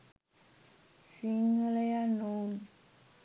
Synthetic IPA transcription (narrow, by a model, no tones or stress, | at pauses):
siŋalɛjanomi